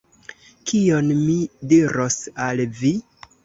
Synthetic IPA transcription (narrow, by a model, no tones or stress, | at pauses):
kʰio̞nmidiɾʔo̞salvi